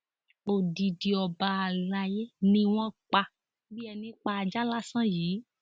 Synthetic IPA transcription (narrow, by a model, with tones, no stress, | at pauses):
o˨di˨di˧ɔ˧ba˧a˧˨la˧je˦nĩ˧w̃ɔ̃˦k͡pa˧ | bi˦ɛ˧nĩ˧˦k͡pa˧a˧d͡ʒa˦la˦sã˦jiː˨˦